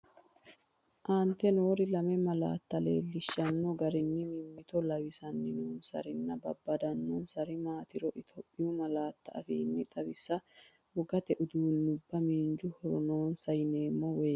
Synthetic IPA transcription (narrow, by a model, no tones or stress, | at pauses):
ʔaːnt̪ːɛnoːɾɪlɐmɛmɐla̰ːt̪ːɐlḛːlːɪʃːɐnːɔɡɐɾɪnːɪmɪmːɪt̪ɔlɐwɪsɐnːɪnuːnsɐ̰ɾɪnːɐbɐ̰bːɐd̪ɐnːɔnsɐɾɪmaːt̪ɪɾɔʔɪt̪ʰɔpʼːɪjʊmɐlaːt̪ːɐɐ̰fḭːnːɪt̪ʼɐwɪsːɐ | wɔɡɐt̪ɛʔʊd̪uːnːʊbːɐmiːnd͡ʒʊhɔɾɔno̞ːnsɐjɪne̞ːmːɔweː